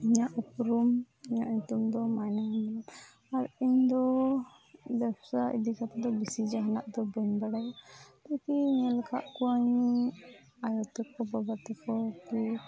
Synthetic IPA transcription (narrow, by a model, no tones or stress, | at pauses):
iɲaʔupɾum | iɲaʔɲut̪umd̪ɔmajnamɛlan | aɾiɲd̪ɔ | bɛbsaʔḭd̪ikat̪ad̪ɔbisid͡ʒaɦanaʔd̪ɔbɔɲbaɽajt̪akiɲɛlɛka̰ʔkuwaɲ | ajɔt̪ɛkɔbabat̪ɛkɔk̪i